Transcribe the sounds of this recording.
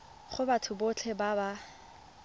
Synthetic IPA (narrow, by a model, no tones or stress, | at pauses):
χʊbatʰʊbot͡ɬʰɛbaba